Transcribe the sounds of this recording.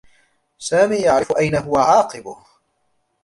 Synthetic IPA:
saːmiːjaʕɾɪfʊʔajnaɦʊwaʕɑːqɨbʊh

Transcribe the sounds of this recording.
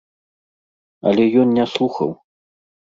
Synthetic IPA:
ɐ̰lʲɛjɔnnʲaslˠuxɐ̰w

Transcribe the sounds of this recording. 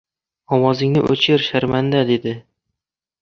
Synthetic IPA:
ɒmɒzɪŋnɪʔɵ̰t͡ʃʰeɾʃaɾmand̪ad̪e̞d̪ɪ

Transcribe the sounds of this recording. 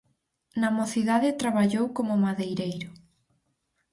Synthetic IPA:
namoθiðaðɪt̪ɾaβaʎowkomʊmaðejɾejɾʊ

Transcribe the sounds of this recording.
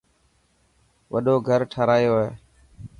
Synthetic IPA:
ʋəɗoːɡʱəɾʈʰəːɾaːjoːɦeː

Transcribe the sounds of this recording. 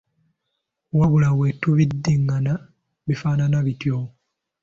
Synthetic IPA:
waβulawetːuβidːiŋɡana | βifaːnanaβitjo

